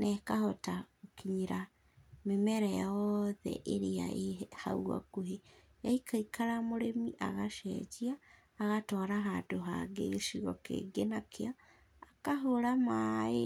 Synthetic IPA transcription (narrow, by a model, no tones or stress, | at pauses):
nɛkahɔtaɣokiɲiɾa | memɛɾɛɔðɛ̰ʔeɾea̰eha̰uɣa̰koɦe | jaikaikʰaɾamoɾemiʔaɣaʃɛ̰d͡ʑiaː | ɣatɔɾaɦandoɦa̰ɡḛɣeʃiɣɔkḛːɡenakʰeaː | kaɦoɾamae